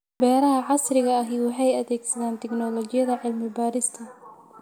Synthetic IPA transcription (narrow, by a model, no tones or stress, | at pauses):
bɛːɾɐɦɐʕɑsrɪɣɐɐɦiwɑħɑjɐðɛːɡsɐðaːnt̪ʰɛɡnɔlɔt͡ʃɪjɐðɐʕɪlmɪbaːɾɪst̪ʰɐ